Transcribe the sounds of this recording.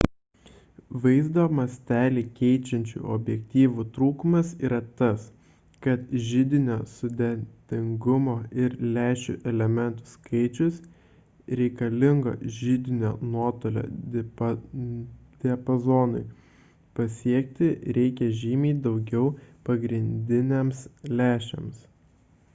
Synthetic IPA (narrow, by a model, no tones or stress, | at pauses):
ʋɐɪzd̪oːmɐsʲt̪ʲæːlʲiːkʲɛɪt͡ʃʲɛnʲt͡ʃʲṵːɔ̰bʲjɛk̚ʲt̪ʲiːʋut̪ɾuːkʊmɐsiːɾɐt̪ɐs | kɐt̪ʒʲɪd̪ʲɪnʲoːsʊd̪ʲɛnt̪ʲɪŋɡʊmoːɪɾlʲæːʃʲʊ̰ʔɛlʲɛmʲɛnt̪ʊ̥skʰɐɪt͡ʃʲʊs | ɾʲɛɪkɐlʲɪŋɡo̰ːʒʲɪd̪ʲɪnʲo̰ːnuɔt̪oːlʲo̰ː | d̪̥ʲɛɐpɐzoːnʊɪ | pɐsʲiɛkt̪ʲɪɾʲɛɪkʲɛʒʲiːmʲiːd̪ɒʊɡʲɛʊpɐɡɾʲɪnʲd̪ʲɪnʲemslʲæːʃʲɛ̰ms